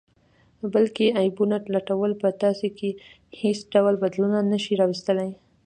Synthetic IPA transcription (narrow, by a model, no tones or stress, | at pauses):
bəlkeajbunatlaʈawəlpət̪ɑseke | hesɖawlbad̪lunanəʃiɾɑwɪst̪əlaj